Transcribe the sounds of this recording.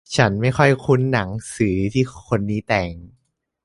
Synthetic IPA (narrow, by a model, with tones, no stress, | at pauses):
t͡ɕʰa˦˥nma˥˩jxʰɔ˥˩jkʰu˦˥nːa˩˦ŋsɯː˩˦t̪ʰiː˥˩kʰo˧nːiː˦˥t̪ɛː˨˩ŋ